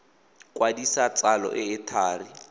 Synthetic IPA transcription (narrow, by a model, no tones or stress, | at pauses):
kʼwadisat͡salɔ̰ʔɪɪtʰaːri